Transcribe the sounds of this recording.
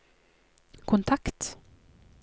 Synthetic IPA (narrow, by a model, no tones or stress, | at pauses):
kʰʊnt̪ʰakt̪